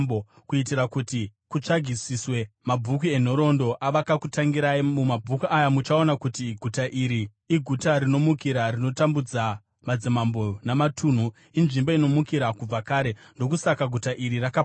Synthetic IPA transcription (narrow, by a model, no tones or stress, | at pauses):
o | kuitiɾakutikut͡ʂaɡʱisiswe̞mabʱuk̬wie̞n̤o̞ɾo̞ndo̞ʔaʋakakutaŋɡiɾaimumabʱukiʔajamut͡ʃao̞nakutiɡʱutaʔiɾiː | ɡʱutaɾino̞mukiɾarino̞tambud͡za | mad͡zimambonamatʰuːn̤u | inʐimboino̞mukiɾakub͡vakaːɾe̞ndo̞kusakaɡʱutaʔiɾiraka